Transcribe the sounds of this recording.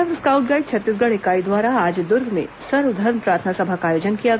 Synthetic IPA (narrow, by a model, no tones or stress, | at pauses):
ʋskaːʊʈ̚ɡaːɪd̪t͡ʃʰɐt̪ːiːs̬ɡɐɽ̃ekaːid̪waːɾaaːd͡ʒd̪ʊɾɡmḛ̃ | sɐɾʋd̪ʱɐɾmpɾaːɾt̪ʰənasɐbʱakaːjoːd͡ʒənkija